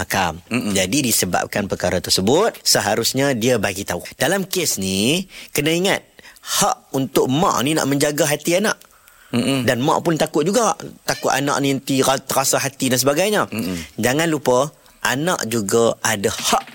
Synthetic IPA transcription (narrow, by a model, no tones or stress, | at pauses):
hakamd͡ʒadidisəba̰p̚kanpərkaɾat̪ərsəbʊt̪̚səɦaɾusɲadiəbaɡit̪aud̥alamkesnikənəiŋat̪̚haʔunt̪ʊʔ̚mã̰ʔnina̰ʔmə̃ɲd͡ʒaɡaɦat̪iana̰ʔ | danmã̰ʔpʊnt̪akʊt̪̚d͡ʒuɡat̪akʊt̪a̰na̰ʔniənt̪iat̪əɾasaɦat̪idansəbaɡajɲad͡ʒaŋãnlupə | ʔana̰ʔd͡ʒuɡaadahaʔ